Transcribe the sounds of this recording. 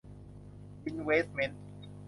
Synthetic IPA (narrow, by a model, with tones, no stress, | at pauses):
i˧˥nweː˦t̪me˧n